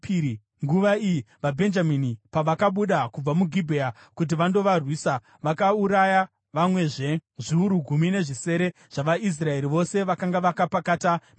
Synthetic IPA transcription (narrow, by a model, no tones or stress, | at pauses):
i | ŋɡuʋaiji | ʋabʱe̞nd͡ʒaminipaʋakaɓuɗakub͡vamuɡʱibʱea | kut̬iʋando̞ʋarwiːsa | ʋakauɾaja | ʋamwe̞ʐe̞ʐiuɾuɡʱumine̞ʐise̞ɾe̞ | ʐ̥aʋais̬rae̞ɾiʋo̞se̞ʋakaŋɡaʋakapakatan